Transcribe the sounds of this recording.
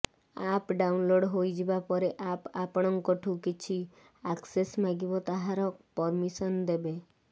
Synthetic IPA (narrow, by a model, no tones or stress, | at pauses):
apɖaunloɖɦojd͡ʒebapɔɾeʔapapɔɽ̃ɔŋkɔʈʰukit͡ʃʰi | aksesmaɡibɔt̪aɦaɾɔpɔɾmisɔnd̪ebe